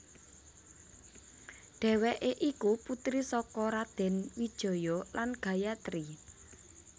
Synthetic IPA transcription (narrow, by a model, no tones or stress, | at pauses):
ɖ̥ɛ̤wɛʔeʔikuput̪ɾisɔkɔɾad̪̥ɛ̤nwid̥ʒ̥ɔ̤jɔlʔanɡ̥ä̤jat̪ɾi